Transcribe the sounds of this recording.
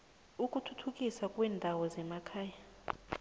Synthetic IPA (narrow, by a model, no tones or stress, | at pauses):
ukʼutʰutʰukʼisakʼwɛːndʱawɔzɛmakʰaːja